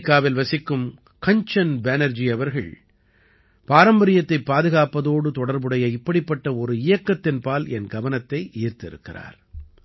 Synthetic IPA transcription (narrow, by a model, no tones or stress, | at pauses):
kːaːʋɪlʋɐsɪkːɯm | kɐɲt͡ʃɐnbɛnɐɾd͡ʒiɐʋɐɾɣɐ̰ɭ | paːɾɐmbɐɾɪjɐt̪ːɐɪpːaːðɯɣaːpɐðoːɽɯt̪ɔɽɐɾbɯɽɐjɐɪpːɐɽɪpːɐʈːɐɔɾɯɪjɐkːɐt̪ːɪnpaːlɛnɡɐʋɐnɐt̪ːɐɪʔɪːɾt̪ɪɾɯ̰kːɪra̰ːɾ